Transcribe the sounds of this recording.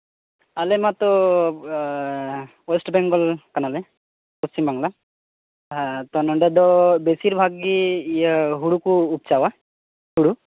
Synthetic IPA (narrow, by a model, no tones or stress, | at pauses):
alemat̪ɔ | ɔsʈbeŋɡɔlkanale | pɔst͡ʃiŋbaŋla | t̪ɔnɔɳɖed̪ɔbesiɾbʱaɡːijɦuɽukuːp̚t͡ʃawa | huɽu